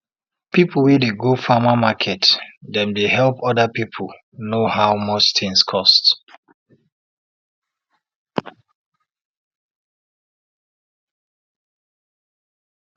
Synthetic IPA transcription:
pipʰl̩wɛdeɡofamamakʰɛtdɛ̃mdeɦɛlˠpɔdəpipʰl̩ | nohaʊmɔt͡ʃtɪ̃ŋskʰɔst

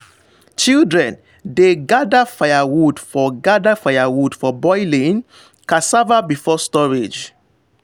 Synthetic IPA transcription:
t͡ʃildɹɛ̃n | deɡadafajawudfɔɡadafajawudfɔbɔɪlĩn | kãsavabifɔstɔɹed͡ʒ

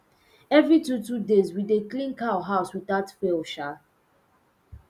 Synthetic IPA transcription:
ɛvɹitutudezwideklĩnkaɦaʊswiðatfelʃa

